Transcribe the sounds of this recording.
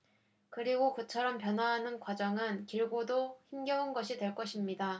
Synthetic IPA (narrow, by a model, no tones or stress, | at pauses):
kɯɾiɡokɯt͡ɕʰʌɾʌmpjʌnwaɦːnɯnkwad͡ʑʌŋɯnkiɭɡodoçimɡjʌunɡʌɕʰidweɭk͈ʌɕʰimɲida